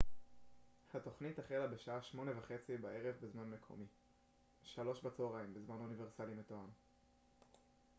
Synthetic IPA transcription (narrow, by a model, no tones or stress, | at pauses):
hat̪o̞χnitaχelabeʃaʔaʃmo̞nevaχe̞t͡sibae̞ʁevbezmanme̞kʰo̰mi | ʃalo̞ʃbat͡soʁaimbezmanunive̞ʁsalimet̪oan